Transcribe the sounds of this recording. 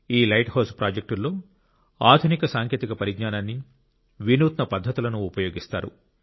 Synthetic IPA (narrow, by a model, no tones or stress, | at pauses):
iːlɐjʈhɐːspɾaːd͡ʒek̚ʈulːo̞ː | aːd̪ʱunikɐsaːŋkʰjeːt̪ikɐpɐɾiɡɲaːnaːnːi | ʋinuːt̪nɐpɐd̪ʱːɐt̪ulɐnuːpɐjo̞ːɡist̪aːɾṵ